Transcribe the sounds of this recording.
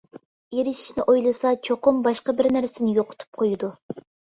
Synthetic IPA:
eɾɪʃi̥ʃnɪʔojlˠɨsɑt͡ʃʰoqʊmbɑʃqɑbɪɾnæɾsɪnɪjoqʰʊ̥t̪ʰu̥p̚qʰojud̪u

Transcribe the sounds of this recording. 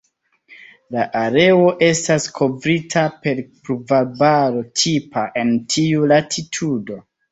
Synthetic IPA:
laʔaɾe̞o̞ʔe̞staskʰo̞vɾitʰape̞ɾpɾuvaɾbaɾo̞tʰipʰaʔe̞ntʰiulatʰitʰudo̞

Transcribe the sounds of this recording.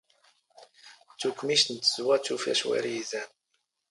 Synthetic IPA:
t͡sukmiʃt̪nt̪z̥uwɑt͡ʃufæ̰ʃwæ̰ɾiizæn

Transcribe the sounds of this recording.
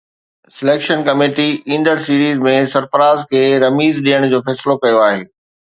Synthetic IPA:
sɪleːkʃənkɐmeːʈiĩːnd̪əɾsiːɾiːzmẽsɐɾfəɾaːzkʰeːɾɐmiːzɗiəɽ̃d͡ʑoːfɛːsɪlokɐjoaːɦeː

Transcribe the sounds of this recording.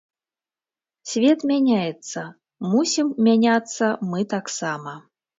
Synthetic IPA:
sʲvʲet̪mʲanʲajɛt̪sːɐ | musʲimːʲanʲat̪sːɐmɨt̪aksamɐ

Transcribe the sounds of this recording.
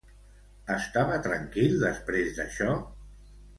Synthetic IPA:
əst̪aβət̪ɾaŋkilˠd̪əspɾezðə̰ʃɔ

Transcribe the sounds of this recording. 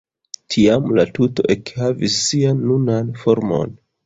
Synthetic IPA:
tʰiamlatuto̞̰ʔe̞khavisːianːunanfo̞ɾmo̞̰n

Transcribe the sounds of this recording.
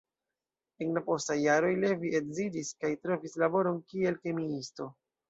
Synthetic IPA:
enlapo̞stajːaɾo̞jleviedzidiskajtɾo̞vislabo̞ɾo̞nkie̞lke̞miisto̞

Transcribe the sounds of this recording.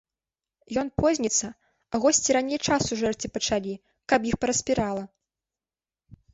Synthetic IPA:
jɔnpɔzʲnʲit̪sːɐ | aɣɔsʲt͡sʲiɾanʲejt͡ʂasuʐɛrt͡sʲipɐt͡ʂalʲi | kɐpjixpɐɾɐsʲpʲiɾalˠɐ

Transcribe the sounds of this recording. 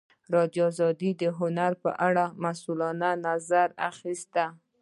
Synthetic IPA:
ɾɑd̪juɑzɑd̪id̪əɦʊnaɾpə̰ʔaɽamasulɑnanazaɾa̰xist̪a

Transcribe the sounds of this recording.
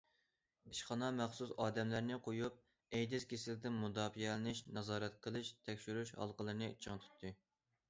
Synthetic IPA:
iʃχɑnɑmæχsusɑːd̪ɛmlæɾnɪqʰojup̚ | ɛjd̪ɪzkʲesɪld̪ɪnmud̪ɑːfijɛlɪnɪʃnɑzɑːɾɛt̪̚qʰəlˠɨʃt̪ʰɛkʲʃyɾyʃɑ̰lˠqəlˠɨnɨt͡ʃʰəŋt̪ʰu̥t̪ʰːɨ

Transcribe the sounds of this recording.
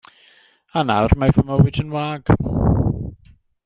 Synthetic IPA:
anawrmajvəmɔwɪdənwaːɡ̥m̰

